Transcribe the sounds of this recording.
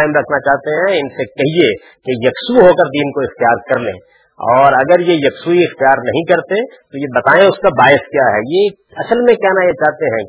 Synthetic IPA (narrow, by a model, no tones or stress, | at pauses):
aɪmɾɐkʰnat͡ʃaːɦt̪eɦɛ̃ɪnsekɛɦie | kejɐksuɦoːkəɾd̪iːnkoɪxt̪ijaːɾkɐɾlḛ̃ː | ɔːɾɐɡəɾjejɐksuiɪxt̪ijaːɾnɐɦĩkɐɾt̪et̪ojebɐt̪aːẽʊskabaːjɪskjaːɦɛ̰ːje | ɐsəlmẽkjaːnajet͡ʃaːɦt̪eɦɛ̃